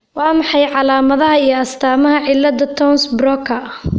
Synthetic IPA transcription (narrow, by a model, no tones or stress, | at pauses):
wɑːmɑħɑjʕɑlaːmɐðɐɦɐijɔɐst̪ʰaːmɐɦɐʕɪlːɐd̪ɐt̪ʰɔnsbrɔkʰɐ